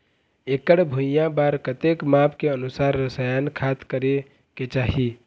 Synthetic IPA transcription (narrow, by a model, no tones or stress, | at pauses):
ekəɽbʱujãbaːɾkət̪ekmapʰkeənusaːɾːəsajankʰat̪kəɾe | ket͡ʃaːɦi